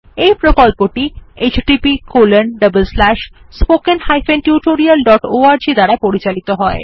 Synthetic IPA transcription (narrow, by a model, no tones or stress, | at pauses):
ejpɾokolpoʈiet͡ɕɖipikolənɖəbəlslæʃ | spokenhajfenʈjuʈoɾialɖɔʈoaɾd͡ʑid̪aɾapoɾit͡ɕalit̪oɦɔe